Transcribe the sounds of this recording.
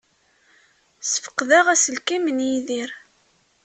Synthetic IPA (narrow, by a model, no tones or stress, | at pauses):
sə̥fə̥qːðæʁæsəlkimənjiðiɾ